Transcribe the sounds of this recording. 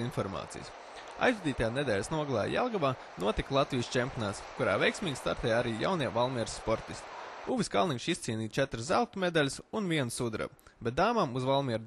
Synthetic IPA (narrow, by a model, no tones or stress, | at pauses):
infɔɾma̰ːt̪sḭj̰s | a̰jzvud̪ʲiːt̪ajaːned̪ɛːlʲsnuɔɡlˠa̰ːja̰lˠɡavaː | nuɔt̪iklˠat̪vijst͡ʃɛmʲpʲjoɔnaːt̪skuɾa̰ːvɛjksmʲiːɡʲst̪a̰ɾt̪ɛːjaɾiːja̰wniɛvalˠmʲiɛɾsːpɔɾt̪ist̪i̥uviskalˠnikʃist̪siːniːt̪t͡ʃɛt̪ɾszælˠt̪umɛd̪alʲsunviɛnsud̪ɾa̰bɛt̪̚d̪aːmamuzvalˠmʲiɛɾ